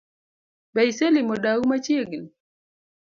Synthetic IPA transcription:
bajsɛlimɔɗaumat͡ʃiɡin

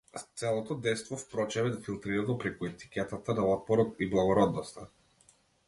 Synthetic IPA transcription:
t̪sɛlˠɔt̪ɔd̪ɛjst̪vɔfpɾɔt͡ʃɛβɛd̪afilˠt̪ɾiɾad̪ɔpɾɛkuɛt̪i̥kʲɛt̪at̪ad̪aɔt̪̚pɔɾɔt̪iblˠaɡɔɾɔd̪nɔst̪a

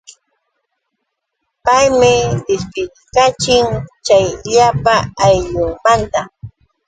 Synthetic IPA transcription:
pajmɪd̪ɪspɪt | kat͡ʃɪŋt͡ʃajʎapaajʎʊŋmant̪a

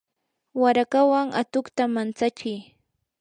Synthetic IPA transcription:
waɾakawaŋat̪ʊkt̪amant͡sat͡ʃɪj

